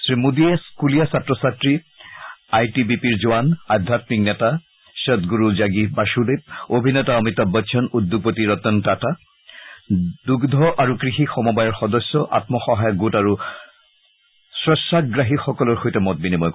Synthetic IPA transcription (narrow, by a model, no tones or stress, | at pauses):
sɹimudiɛskulijasatɹɔsatɹi | ajtibipiɹzowanad̪ʱːatmiknɛta | ʃɛt̪ɡuɹuzaɡibaʃudeb̚obʱinɛtaɔmit̪ːɔbɔtːʃʰɔnud̪ːuɡ̚potiɹɔt̪ɔntata | duɡd̪ʱɔʔaɹukɹixixɔmɔbajɔɹxɔdɔsːɔʔa̰t̪mɔxɔɦajɔɡutaɹu | sɹɔsːakɡɹaɦixɔkɔlɔɹxojtɛmɔt̚binimɔj